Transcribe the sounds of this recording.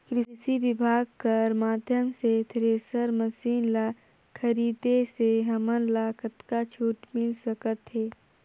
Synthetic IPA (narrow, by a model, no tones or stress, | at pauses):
kɾɪsiʋɪbʱaːɡ̚kɐɾmaːd̪ʱjəmset̪ʰɾeːsəɾməsiːnla | kʰɐɾiːd̪eseɦɐmənlaːkət̪kat͡ʃʰuːʈmɪlsəkət̪ɦɛː